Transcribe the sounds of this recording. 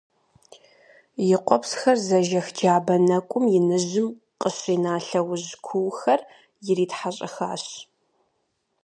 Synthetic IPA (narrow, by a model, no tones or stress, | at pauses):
jɪqʷʼɔpsxɐrzɐʒɐxd͡ʒaːbɐnɐkʷʼʊmjɪnɨʑɪm | qʼəɕiːnaːɬɐwʊʑkʷʰʊwxɐr | jɪɾiːtħaɕʼɐ̰xaːɕ